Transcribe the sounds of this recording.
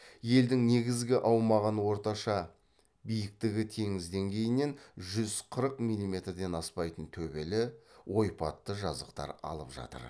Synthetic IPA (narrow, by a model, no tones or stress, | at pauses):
je̞ld̪ɪŋne̞ɡʲɪzɡʲɪʔɑwmɑʁənwo̞ɾt̪ɑʃɑ | bijɪk̚t̪ɪɡʲɪt̪ʰe̞ŋɪzd̪e̞ŋɡʲe̞jɪne̞nʒʏz̥qʰəɾəqmijlʲːˠimʲe̞t̪rd̪e̞nɑspɑjt̪ənt̪ʰɵbe̞lɪwo̞jpɑt̪ːəʒɑzəq̚t̪ɑ̰ɾɑ̰lˠəpʒɑ̰t̪ə̰ɾ